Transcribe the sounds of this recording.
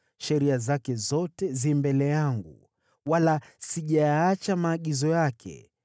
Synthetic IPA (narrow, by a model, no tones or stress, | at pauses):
ʃɛɾiazakɛzɔtɛzimbɛlɛjaŋɡṵ | walasiʄajat͡ʃamaːɠizɔjakʰɛ̰